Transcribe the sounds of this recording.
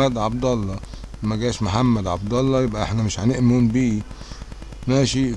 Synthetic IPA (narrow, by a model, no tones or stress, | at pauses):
æd̪ʕɑb̚d̪ˤɑlːɑmæɡæːʃmoħamːæd̪ʕab̚d̪ˤɑlːɑjebʔæʔeħnæmɪʃʕaneʔmuːnbiː | næːʃi